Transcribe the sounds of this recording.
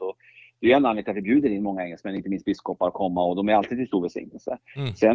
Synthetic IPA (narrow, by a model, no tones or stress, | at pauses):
ɔ | d̪̥ɛjɛnːanlɪk̚t̪avɪbjʉ̟ːd̪əɾɪnːmɔŋːaɛŋːɛlsmɛnːɪnt̪əmɪnst̪bɪskɔpːaɾɔkʰɔmːaɔd̪ɔmæɾalt̪ʰiːd̪ʰɪlst̪uːɾvɛlsɪ̰ŋnəlsə̰sɛn